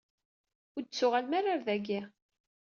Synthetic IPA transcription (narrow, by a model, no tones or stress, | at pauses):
ʊɾd̪t͡sːʊʁalmaɾaɾðæɡi